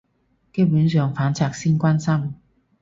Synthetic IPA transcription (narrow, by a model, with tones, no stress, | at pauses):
ke˥pyː˨˥nsœː˨ŋfaː˨˥nt͡sʰaː˧k̚siː˥nkʷaː˥nsɐ˥m